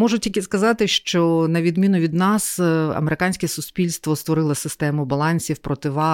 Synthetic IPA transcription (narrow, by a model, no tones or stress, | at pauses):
mɔʒʊtʲikɪskɐzɑt̪ɪʃt͡ʃɔnɐʋʲid̪mʲinʊʋʲid̪nɑsɐ̰meɾɪkɑnʲsʲkɛsʊsʲpʲilʲst̪ʋɔst̪ʋɔɾɪlˠɐsɪst̪ɛmʊbɐlˠɑnʲsʲiwpɾɔt̪ɪʋɑ